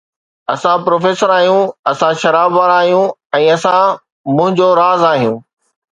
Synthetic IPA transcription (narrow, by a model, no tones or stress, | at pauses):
ɐsãpɾoːfeːsəɾaːɦijũɐsãʃɐɾaːbʋaːɾaːɦijũɛ̃ːɐsã | mʊ̃ɦɪ̃ɲd͡ʑoɾaːzaːɦijũː